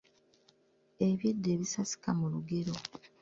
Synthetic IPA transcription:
e̞βjidːe̞βisasi̥kamuluɡe̞ɾo̞

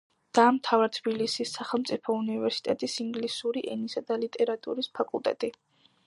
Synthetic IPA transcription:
d̪̥aːmt̪ʰavaɾt̪ʰb̥ilisisːaχɛlˠmt̪sʼipʰɔunivɛɾsi̥t̪ʼɛt̪ʼisiŋɡlisuɾiʔɛnisad̪alit̪ʼɛɾat̪ʼṵɾispʰakʼulˠt̪ʼɛ̰t̪ʼi

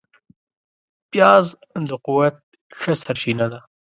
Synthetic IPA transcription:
pjɑːz | d̪əquwat̪̚ | xəsaɾʃinad̪a

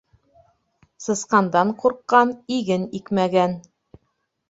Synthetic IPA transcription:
sɤ̆sqɑnd̪ɑɴquɾqːɑniɡɘnikmæɡæn

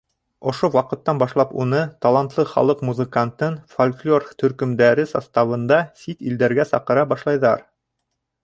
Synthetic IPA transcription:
ŏʃowɑqɤ̆t̪ːɑnbɑʃlˠɑpunɤt̪ɑlˠɑnt̪lˠɤχɑ̰lˠɤqmuzəkant̪ɤnfolʲklʲort̪ɵ̆ɾkɵ̆md̪æɾɘsɑst̪ɑβɤ̆nd̪ɑsit̪ḭld̪æɾɡæsɑ̰qɤ̆ɾɑbɑʃlˠɑjðɑɾ

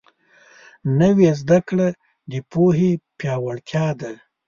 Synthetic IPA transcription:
nəwezd̪akɽa | d̪əpoɦepjɑwaɽt̪jɑd̪a

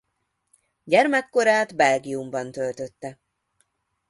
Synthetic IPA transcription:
ɟɛrmɛkːo̞ɾaːd̪bɛlɡiumbɒnt̪ølt̪ø̞t̪ːɛ

